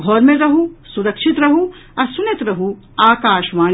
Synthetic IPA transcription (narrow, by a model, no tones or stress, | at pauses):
ɡʱɔːɾmẽɾɐɦusuɾɐkʃit̪ɾɐɦu | ɐɾsunɐt̪ɾɐɦu | aːkaːʃmaː